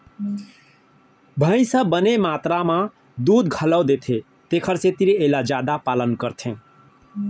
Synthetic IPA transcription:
bʱə̃ɪ̃səbənemat̪ɾamã | d̪ud̪ɡʱələwd̪et̪ʰe | t̪ekʰəɾset̪iɾielad͡ʒad̪apalənkəɾt̪ʰẽ

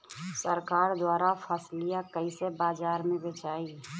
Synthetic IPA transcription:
səɾkaːɾd̪waːɾapʰəːslɪjakəisebaːzaːɾmẽbeːt͡ʃaːiː

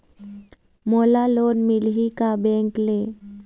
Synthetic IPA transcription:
molalonmilɦikabeŋkle

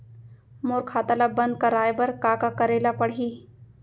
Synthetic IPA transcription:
moːɾkʰaːt̪aːlabɐ̃nd̪̚kaɾaːebəɾkaːkakəɾeːlapəɽiː

